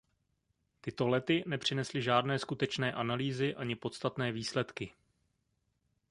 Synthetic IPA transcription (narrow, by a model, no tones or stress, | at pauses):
t̪ɪt̪o̞lɛt̪ɪnɛpr̝̥ɪnɛslɪʒaːdnɛːskut̪ɛt͡ʃnɛːʔanaliːzɪʔaɲɪpo̞t̪st̪at̪nɛːviːslɛt̪kɪ